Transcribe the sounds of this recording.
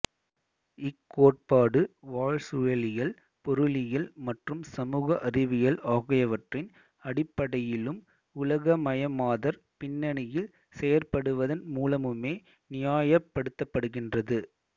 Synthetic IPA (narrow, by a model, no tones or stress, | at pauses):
ɪkːoːʈ̚paːɽɯʋaːɻsʊɻɐlɪjɐl | pɔɾɯlɪjɐlmɐʈrɯmsɐmuːɣɐʔɐrɪʋɪjɐlaːɣɐjɐʋɐʈrɪn | ɐɽɪpːɐɽɐjɪlɯm | ʊlɐɣɐmɐjɐmaːðɐɾ | pɪnːɐɳɪjɪl | sɛjɐrpɐɽɯʋɐðɐnmuːlɐmɯmeː | nɪjaːjɐpːɐɽɯt̪ːɐpːɐɽɯɣɪndrɐðɯ